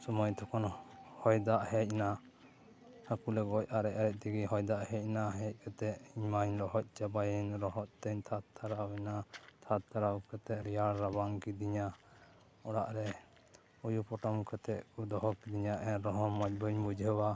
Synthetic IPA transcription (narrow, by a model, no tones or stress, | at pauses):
sɔmɔjt̪ʰɔkʰɔnhɔjd̪aʔhɛc̚na | hakulɛɡɔc̚aɾɛʔaɾɛc̪̚ˀt̪ɛɡiɦɔjd̪aʔhɛc̚naɦɛc̚ˀkat̪ɛʔiɲmaɲlɔɦɔc̚ˀt͡ʃabajɛnɾɔɦɔʔ̚t̪ɛɲt̪ʰat̪t̪ʰːaɾawɛnat̪ʰat̪t̪ːaɾawkat̪ɛʔɾijaɽɾabaŋkid̪iɲa | ɔɽaʔɾɛ | ujupɔʈɔmkat̪ɛʔkud̪ɔɦɔkid̪iɲaʔɛɾɔɦɔmac̚bɔɲbud͡ʒəwa